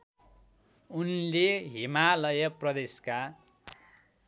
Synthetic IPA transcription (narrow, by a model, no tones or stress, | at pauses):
unleɦimalʌjʌprʌd̪eska